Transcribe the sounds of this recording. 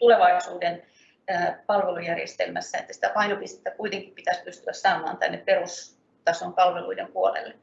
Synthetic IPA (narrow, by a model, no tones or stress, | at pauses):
t̪uleʋɑisuːdenː | pɑlʋelujærjḛst̪ḛlmæ̰sːæḛt̪ːæsi̥t̪æpɑinopist̪e̥t̪ːækuit̪eŋkippit̪æspyst̪yæssɑːmɑ̰ːnt̪æ̰nːepperus | t̪ɑsoŋkɑlʋeluidempuolḛlːe